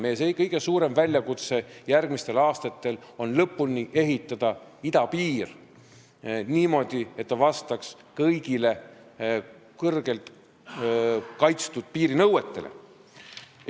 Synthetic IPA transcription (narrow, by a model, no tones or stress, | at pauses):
mesekɤjɡ̥e̞suːɾe̞mvælʲjɑkut̪se̞jærɡ̥mist̪e̞lɑːst̪ɑt̪ːˑe̞lo̞nlɤpːˑulniʔe̞ɦit̪ːˑɑd̪̥ɑid̪ɑpiːr | niːmo̞d̪̥ie̞t̪ːɑvɑst̪ɑks | kɤjɡile̞ | kɤrɡ̥e̞lt̪ | kɑjt̪st̪ud̪̥̚piːɾinɤwe̞t̪ˑːe̞̰lʔḛ